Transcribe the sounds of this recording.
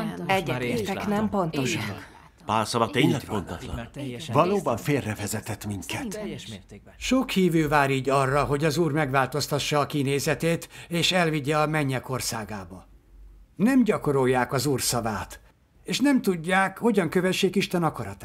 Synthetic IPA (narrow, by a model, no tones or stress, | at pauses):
ɛɟːɛt̪eɛknɛmpont̪oʃ | paːlsɒlɒt̪eːɲlɛpont̪otlɒ̰vɒloːbɒɱfeːrːɛvɛzɛt̪ɛt̪miŋkɛt̪ | ʃokhiːvøːvaːɾiːɟɒrːɒɦo̞ɟɒzuːrmɛɡʋaːlt̪o̞st̪ɒʃːɒːkineːzɛt̪eːt̪eːʃɛlviɟːɛɒmɛɲːɛko̞rsaːɡaːbɒ | nɛmɟɒko̞ɾo̞jːaːkɒzuːrsɒvaːt̪ | eːʃnɛmt̪uɟːaːkho̞ɟɒŋkøvɛʃːeːkiʃt̪ɛnɒkɒɾɒt̪a